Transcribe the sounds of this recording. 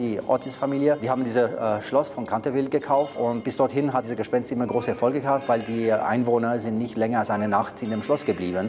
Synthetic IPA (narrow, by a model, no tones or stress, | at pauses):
iːʔɔ̰tʰɪsfamiːljəd̥iːhaːbm̩diːzəʃlɔsfɔnkʰantəvɪltɡ̥əkʰaʊftʊntb̥ɪsd̥ɔɐthɪnɦatdiːzɐɡəʃpɛnstʔɪmɐɡʁoːsəɛɐfɔlɡəɡəhaːp̚tv̥aɪldiːʔa̰ɪnvoːnɐzɪntnɪçtlɛŋɐalsʔaɪnənaχtɪndemʃlɔsɡ̥əbliːbən